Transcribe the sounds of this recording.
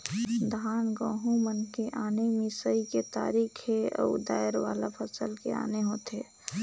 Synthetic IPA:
d̪ʱaːnɡɔ̃ɦũmənkeʔanemĩsəiket̪a̰ːɾikʰɦeɔ̰ud̪aːjɾʋa̰lapʰəsəlkea̰neɦoːt̪e

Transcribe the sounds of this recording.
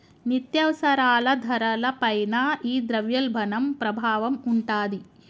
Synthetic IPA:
nit̪jɐʋɐsɐɾaːlɐd̪ʱɐɾɐlɐpɐjnɐiːd̪ɾɐʋjɐlbʱɐnɐmpɾɐbʱaːʋɐmuɳʈaːd̪i

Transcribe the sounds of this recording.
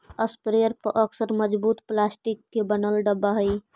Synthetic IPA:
əspɾeəɾpəʔəksəɾməd͡ʒbut̪plasʈikːebənəlɖəbaɦəj

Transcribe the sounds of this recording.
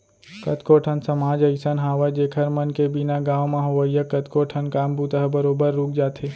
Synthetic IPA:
kɐt̪koːʈʰənsɐmaːd͡ʒɐɪsənɦaːʋəd͡ʒeːkʰɐɾmɐnkebɪnaɡaːʋmãɦoʋəijəkɐt̪koːʈʰənkaːmbuːt̪əɦbəɾoːbəɾːuːk̚ʰd͡ʒaːt̪ʰeː

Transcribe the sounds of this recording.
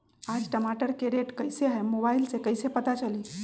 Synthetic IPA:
aːd͡ʒʈəmaʈəɾkeɾeʈkəɪseɦɛmobaːɪlsekəɪsepət̪at͡ʃəliː

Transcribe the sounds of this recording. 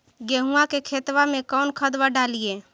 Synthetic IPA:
ɡeɦuakekʰet̪wamẽkɔʊnkʰəd̪ʋaɖalie

